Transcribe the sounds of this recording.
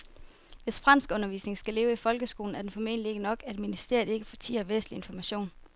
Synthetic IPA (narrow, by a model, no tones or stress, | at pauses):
ʋe̝sfʁɑ̈n̰sɡ̥ɔ̽nɐʋḭːsne̝ŋsɡ̥æle̝ːʊəifɒ̽lɡ̥əsɡ̥o̝ːln̩æɐd̥enfɒ̽me̝̰ːnlie̝ɡ̥ənɒ̽ɡ̥æe̝d̥minisd̥e̝ɐjð̩ˠe̝ɡ̥əfɒ̽t͡sʰḭːɐʋḛːslie̝nfɒmæɕo̝̰ːn